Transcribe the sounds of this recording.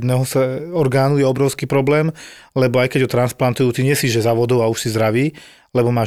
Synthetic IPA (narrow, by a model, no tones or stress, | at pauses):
d̪nɛːɦɔsɛɔɾɡaːnujɛɔbɾɔʊskiːpɾɔblɛːm | lɛbɔajkɛɟɦɔt̪ɾansplant̪ujuːt̪iɲɛsiːʒɛzaʋɔd̪ɔʊauʃsizd̪ɾaʋiː | lɛbɔmaː